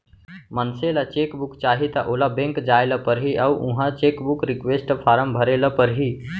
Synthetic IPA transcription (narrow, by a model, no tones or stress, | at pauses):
mənselat͡ʃeːkbukt͡ʃaːɦit̪ɐʔoːlabẽŋkd͡ʒaːeləpəɾɦiʔɐuʔũɦãt͡ʃeːkbukɾikʋesʈpʰaːɾəmbʱəɾeləpəɾɦi